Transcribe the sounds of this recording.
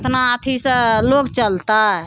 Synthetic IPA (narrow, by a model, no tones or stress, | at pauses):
t̪naːt̪ʰisəlokt͡ʃəlt̪aɦɛ